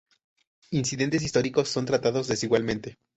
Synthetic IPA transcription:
insiðe̞nt̪e̞s̬ist̪o̞ɾiko̞sːo̞nt̪ɾat̪aðo̞zðe̞siɣwalmẽnt̪e̞

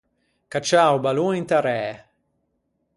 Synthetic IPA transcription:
kat͡ʃawbaluint̪aɾɛː

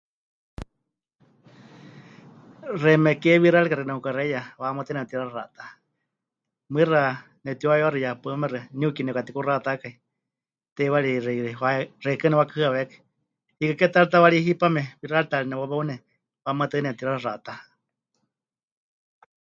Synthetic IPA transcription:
rɛmɛkɛβiɾaɺikaɾɛnɛukaɾɛjawamat̪ɨnɛt̪iɾaɾara̰t̪a | mɨra | nɛt̪iwaɛwaɾijapamɛɾɛniukinɛkat̪ikurat̪akai | t̪ɛwaɺirɛiɾɛwarɛkɨnɛwakahɨaβɛkḁ | hikakɛt̪aɺit̪awaɺiɦipamɛβiraɺt̪aɾinɛwaβaunɛ | wamat̪ɨnɛt̪iɾaɾrat̪a

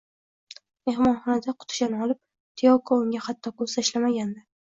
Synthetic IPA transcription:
me̞hmɒnχɒnad̪aqʰʊt̪ʰɪ̥ʃanɒlˠɪp̚ | t̪ʰɪjɒwkʰaʊŋɡʲahat̪ʰːɒkosaʃlamaɡʲand̪ɪ

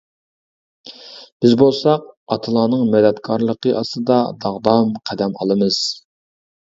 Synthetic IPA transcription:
b̥ɪzbolˠsɑq̚ɑt̪ʰɨlˠɑːnɨŋmɛd̪ɛt̪kʰɑɾlˠəqəʔɑst̪ɨd̪ɑd̪ɑʁd̪ɑmqʰæd̪ɛmɑ̰lˠɨmɨz̥

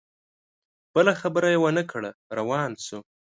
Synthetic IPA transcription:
b̥əlaxabəɾajewənəkʰɽaɾawɑnsu

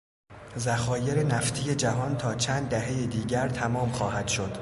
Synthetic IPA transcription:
zæxɒːje̞ɾenæft̪ʰije̞d͡ʒæɦɒːnt̪ʰɒːt͡ʃʰæːnd̪ːæɦe̞jed̪iːɟæɾt̪ʰæmɒːmxɒːɦæd̪̥ʃo̞d̪̥

